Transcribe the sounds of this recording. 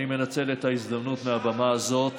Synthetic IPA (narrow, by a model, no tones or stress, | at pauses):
ime̞nat͡se̞le̞t̪haizd̪amnut̪meabamaːzo̞t̪